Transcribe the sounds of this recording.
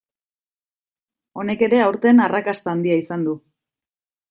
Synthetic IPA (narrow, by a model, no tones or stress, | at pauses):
o̞ne̞ke̞ɾe̞awɾt̪enarakast̪aːnd̪iaisand̪u